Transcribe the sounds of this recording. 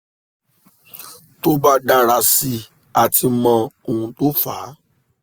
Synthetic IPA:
to˦ba˦da˧ɾ̃a˧si˧ | a˨tʰi˧mɔ̃˧o˨ũ˧to˦faː˨˦

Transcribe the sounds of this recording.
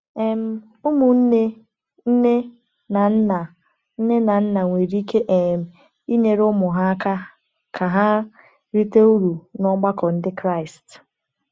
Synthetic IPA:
e˨m̩˦ | ʊ˦mʊ˨n̩˦ne˦ | n̩˦ne˦ | na˨n̩˦na˨ | n̩˦ne˦na˨n̩˦na˨ŋʷe˨ɾi˦ke˦ʔe˨m̩˨ | i˦ɲe˨ɾʊ˦mʊ˨ɦa˦a˦ka˦ | kʰa˨ɦa˦ | ɾi˦te˦u˦ɾu˨nɔ˦ɡ͡ba˦kɔ˨n̩˦dɪ˦kɾa˦˨ɪ˨st

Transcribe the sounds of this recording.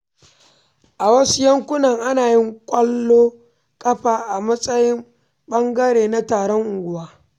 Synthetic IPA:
ʔa˨wɐ˦su˦jɐ˦ŋkʷʊ˦nɐ˨ŋʔa˦naː˨jɪ˦ŋkʷʼɐ˦lːoː˦ | kʼɐ˦ɸaː˨ʔa˨mɐ˦sʼɐ˦jɪ˦m | ɓɐ˦ŋɡɐ˦ɽeː˨na˦taː˨ɽɔ˦ŋʔʊ˨ŋɡʷʊ˨waː˦

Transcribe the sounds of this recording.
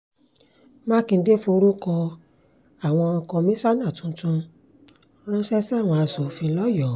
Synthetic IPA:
ma˦˨kĩ˧de˦fo˧ɾu˦kɔ˧ | a˨w̃ɔ̃˧ɔ̃˧kɔ̃˧mĩ˦sa˦nã˦˨tũ˨˦tũ˧ | ɾ̃ã˦ʃɛ˦si˦a˦˨w̃ɔ̃˧a˧so˨fĩ˧lɔ˦jɔ˨

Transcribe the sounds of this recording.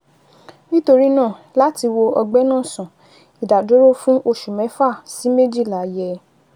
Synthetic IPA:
nĩ˦to˧ɾi˦nãː˦˨ | la˦ti˧wo˧ɔ˧ɡ͡bɛ˦nãː˦˨sã˨ | i˨da˨do˨˦ɾo˦fũ˦ʔo˧ʃu˨mɛ̃˨˦fa˦˨si˨˦me˦d͡ʒi˦˨la˨˦jɛ˧

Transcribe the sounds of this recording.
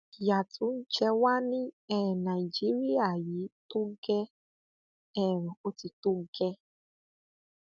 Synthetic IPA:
ja˨tʰu˨˦n̩˦t͡ʃɛ˧wa˦nĩ˦ɛ˦˨na˨i˨d͡ʒi˨˦ɾi˦a˦˨ji˨˦to˦ɡɛ˧ | ɛ˦ɾɔ̃˨o˦ti˧to˦ɡɛ˧

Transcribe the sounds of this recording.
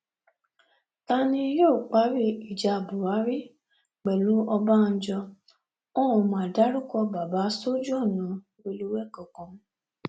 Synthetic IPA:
ta˦˧nĩ˧joː˦˨k͡pa˨˦ɾi˦˨i˨d͡ʒa˧˨bu˨ɾa˨˦ɾi˦ | k͡pɛ˨lũ˨˦ɔ˧ba˦n̩˦d͡ʒɔ˧ | ɔ̃˦ɔ˧˨mãː˨da˦ɾu˦kɔ˧ba˨ba˨˦so˦d͡ʒu˦ɔ˦˨nũ˨˦ | we˧lu˦wɛ˦˨kɔ˨kɔ̃˧˦

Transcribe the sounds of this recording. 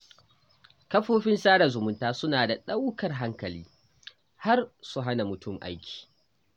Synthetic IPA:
kɐ˦ɸoː˦ɸɪ˦nsaː˦ɽa˨zʊ˨mʊ˦ntaː˦sʊ˦naː˨da˨ɗa˦wkɐ˨rɦa˦ŋkɐ˨liː˦ | ha˦rsu˦ɦa˦na˨mʊ˨tʊ˦˨mʔa̰˦jkʲʰi̥ː˨

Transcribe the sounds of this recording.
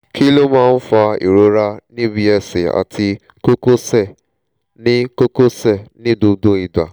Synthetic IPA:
kʰi˦lo˦mãː˦n̩˦fa˧ḭ˨ɾo˨˦ɾa˧nĩ˦bi˧ɛ˧se˨a̰˨tʰi˧ | ko˦ko˦sɛ˦˨ | nĩ˦ko˦ko˦sɛ˦˨nĩ˦do˧do˦i˨da̰˨

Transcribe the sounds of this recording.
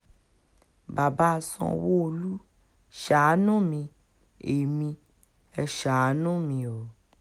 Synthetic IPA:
ba˨ba˦˧˨sɔ̰̃˧wo˦o˧lu˦ | ʃa˨˦nũ˦mĩ˧ | e˨mĩ˧ | ɛ˧ʃa˨˦nũ˦˨mĩ˧o˨

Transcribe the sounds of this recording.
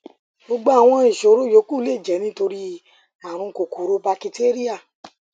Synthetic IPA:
ɡ͡bo˧ɡ͡bo˦a˨w̃ɔ̃˧i˨ʃo˨˦ɾo˦jo˨˦ku˦le˦˨d͡ʒɛ˨˦nĩ˦to˧ɾi˦ | a˨ɾ̃ũ˧ko˨ku˨˦ɾo˦ba˧ki˧te˦ɾi˦a˦˨

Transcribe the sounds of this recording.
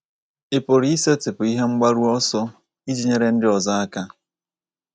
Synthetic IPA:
ɪ˨po˨ɾi˨˦i˦se˦tɪ˨pʊ˨i˦ɦe˦ŋ͡m̩˦ɡ͡ba˦ɾu˦ɔ˦sɔ˦ | i˦d͡ʒi˦ɲe˦ɾe˦n̩˦dɪ˦ɔ˨za˦a˦ka˦

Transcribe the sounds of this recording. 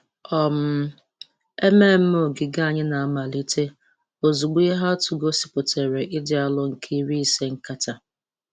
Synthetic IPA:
ɔ˨m̩˨˦˨ | e˦me˦˨m̩˦m˦o˨ɡɪ˨ɡa˦˨ɲɪ˦na˨a˨ma˨li˦te˦ | o˨zu˨ɡ͡bi˦e˦ɦa˦tu˨ɡo˦si˨po˨te˨ɾe˨ʔɪ˦dɪ˨˦a˦lʊ˦ŋ̩˨kʰi˦i˦ɾi˦se˦ŋ̩˦ka˦ta˨

